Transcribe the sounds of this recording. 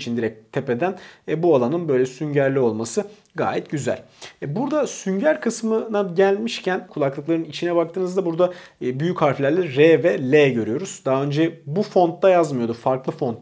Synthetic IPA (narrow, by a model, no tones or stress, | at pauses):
t͡ʃʰind̪iɾɛc̚t̪ʰːe̞pe̞d̪ænːbualˠanɯnbø̞jlʲɛsyɲɟæɾlʲio̞lˠmasɯ | ɡa̰ːjɛt̪̚ɟyzæ̰lʲɛbuɾd̪asyɲɟæɾkʰɯsmɯnaɟælʲmiʃcʰænkʰulˠaklˠɯklˠaɾɯnit͡ʃʰinɛbak̚t̪ʰɯːnɯzd̪abuɾd̪a | byjycʰhaɾfelʲæɾlʲɛɾevɛlʲeɟø̞ɾyjo̞ɾuz̥d̪aɦaø̞nd͡ʒɛbufo̞nt̪ːajazmɯjo̞d̪ufaɾklˠɯfo̞nt̪